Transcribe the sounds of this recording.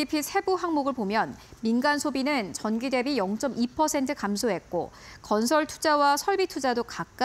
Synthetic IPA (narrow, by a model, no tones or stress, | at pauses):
ipʰisʰe̞buɦaŋmoɡɯɭpomjʌnminɡansʰobinɯnt͡ɕʌnɡide̞bijʌŋt͡ɕ͈ʌmipʰʌsʰe̞ntʰɯkamsʰoɦe̞t̚k͈o̰kʌnsʰʌɭtʰud͡ʑawasʰʌɭbitʰud͡ʑadokak̚k͈a